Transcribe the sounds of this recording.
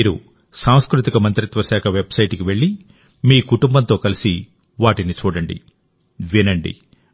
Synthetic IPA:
ɾu | saːw̃skɾut̪ikɐmɐnt̪ɾit̪ʋɐʃaːkʰɐʋe̞bsɐjʈkiʋe̞ɭːi | miːkuʈumbɐnt̪o̞ːkɐlisi | ʋaːʈinit͡ʃuːɽɐɳɖḭ | ʋinɐɳɖḭ

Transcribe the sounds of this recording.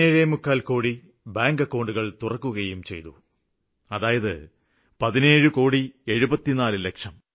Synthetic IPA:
eːɻemukːaːlkoːɽi | baːŋɡɐkːo̞ːɳɖuɣɐɭt̪urɐkːuɣɐjumt͡ɕe̞̰jt̪ṵ | ɐðaːjɐðɨ | pɐðine̞ːɻukoːɽie̞ɻubɐt̪ːinaːlɨlekʂɐm

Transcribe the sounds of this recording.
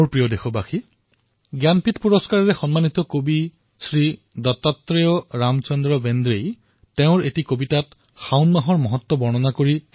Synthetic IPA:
oɹpɹijɔdexʰɔbaxi | ɡjanpʰitpuɹɔskaɹɔɹexɔnmanit̪ɔkobi | sɹi | dɔtat̪ɹejɔɹamt͡ʃɔndɹɔbend̪ɾej | teʊ̃ɹetikobitat | xawnmaɦɔɹmɔɦɔt̪ːɔbɔɹnɔnakoɹi

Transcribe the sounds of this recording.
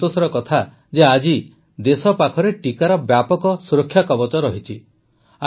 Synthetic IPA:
t̪osɔɾɔkɔt̪ʰa | d͡ʒead͡ʒi | d̪esɔpakʰɔɾeʈikaɾɔbjapɔkɔsuɾɔkʰːjakɔbɔt͡ʃɔɾɔɦit͡ʃʰi | a

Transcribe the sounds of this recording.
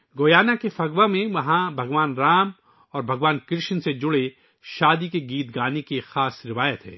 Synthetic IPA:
ɡoːjaːnakefɐɡʋamẽʋɐɦãbʱɐɡʋaːnɾaːm | ɔːɾbʱɐɡʋaːnkɪɾʃənsed͡ʒʊɽe | ʃaːd̪ikeɡiːt̪ɡaːnekixaːsɾɪʋaːjət̪ɦɛ̰̃ː

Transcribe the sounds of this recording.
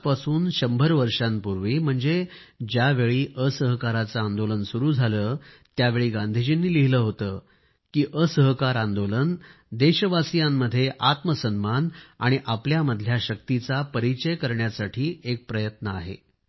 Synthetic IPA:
pasuːnɕəmbʱəɾʋəɾʂampuɾʋiːm̤əɳd͡ze | d͡ʑjaʋeɭiːʔəsəɦkaɾat͡saand̪olənsuɾuːd͡zʱaləː | t̪jaʋeɭiːɡãnd̪ʱid͡ʑinːiːliɦiləːɦot̪əː | kiːʔəsəɦkaɾãnd̪olən | d̪eɕəʋasijamːəd̪ʱːjeʔat̪məsənmana̰ɽ̃iʔapljaməd̪ʱljaɕək̚t̪it͡sapəɾit͡ɕəjkəɾɳjasaʈʰiːek̚pɾəjət̪nəa̰ɦḛ

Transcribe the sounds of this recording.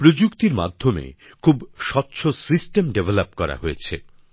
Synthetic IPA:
pɾod͡ʑukt̪iɾma̰d̪ʱːomḛ | kʰubʃɔtːɕʰosisʈemɖevʱelapkɔɾa̰ɦoet͡ɕʰe

